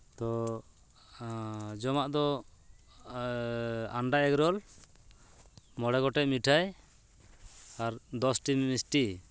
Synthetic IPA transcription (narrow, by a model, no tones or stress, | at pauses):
t̪ɔ | d͡ʒɔmaʔd̪ɔ | aɳɖaɛɡɾɔl | mɔɽɛɡɔʈɛʔmiʈʰaj | aɾd̪ɔsʈimmisʈi